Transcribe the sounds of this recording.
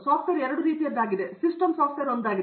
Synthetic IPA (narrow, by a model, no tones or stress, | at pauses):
saːpʈʋeɾɛɾɐɽuɾiːt̪ijɐd̪aːɡid̪esisʈɐmsaːpʰʈʋeɐɾond̪aːɡi